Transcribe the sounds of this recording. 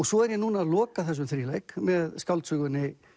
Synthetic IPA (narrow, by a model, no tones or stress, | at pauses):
ɔsɔɛɾjɛɣnuːnaalɔːkaθas̬ʏmθɾiːlɛjkmɛðskalt̪sʏɣʏnɪ